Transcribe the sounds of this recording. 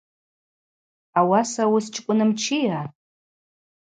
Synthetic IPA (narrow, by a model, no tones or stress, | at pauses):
awasawʊst͡ʃʼkʷʼʊnɨmt͡ʃʰija